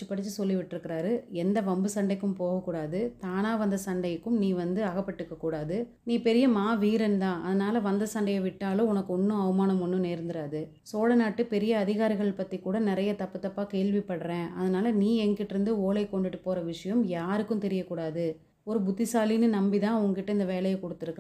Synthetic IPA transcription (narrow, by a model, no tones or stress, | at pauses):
ɯpːɐɽɯt͡ʃːɯsɔlːiʋɪʈːɪɾɯkːɪɾaːɾɯɛnd̪ɐʋɐmbɯsɐɳɖɐɪkːɯmpoːɣɐkːuːɽaːðɯt̪aːnaːʋɐnd̪ɐsɐɳɖɐjɯkːɯmniːʋɐnd̪ɯɐɣɐpːɐʈːɯkːɐkːuːɽaːðɯ | niːpɛɾɪjɐmaːʋiːɾɛnd̪ãːʔɐðɐnaːlɐʋɐnd̪ɐsɐɳɖɐjɐʋɪʈːaːlɯ̃ʊnɐkːʊɳːɯ̃ɐʋɯmaːnɐmʊnːɯ̃neːɾnd̪ɪɾaːðɯ | soːlɐnaːʈːɯpɛɾɪjɐːðɪɣaːɾɪɣɐɭɪpɐt̪ːikuːɽɐnɪɾɐjɐt̪ɐpːɯt̪ːɐpːaːkeːɭʋɪpːɐɽɾẽːʔɐðɐnaːlɐniːɛŋɡɪʈːɪɾɯnd̪ɯoːlɐɪkːɔɳɖɯʈːɯpoːɾɐʋɪʂɐjɐmjaːɾɯkːɯmt̪ɛɾɪjɐkːuːɽaːðɯ | ɔɾɯbʊt̪ːɪsaːlɪnɯnɐmbiðãːʊŋɡɐkɪʈːɐɪnd̪ɐʋeːlɐjɐkɔɽɯt̪ːɪɾɯkː